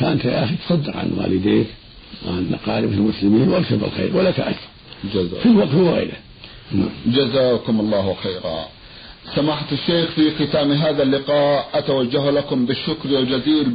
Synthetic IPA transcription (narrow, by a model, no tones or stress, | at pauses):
kaːnt̪aʔaːxit̪sˤɑd̪ːɪɾʕa̰nwa̰ːlɪd̪eːk̪ | wʕanːa̰qɑːɾɪbɪlmʊslɪmiːnwabʃabɪ̰lxḛːɾwalːakaʔasθˤɑnd͡ʒaa̰filwɑqt̪lwa̰ːjɪ̰d̪a | na̰ːmd͡ʒazaːkʊmɑlˤːɑːhwaxeːɾa̰ | samaħt̪ɪʃːeːxfixɪt̪aːmɦaːðalːɪqɑːʔʔat̪awad͡ʒːahlakʊmbɪʃːʊkɾjald͡ʒaziːɾ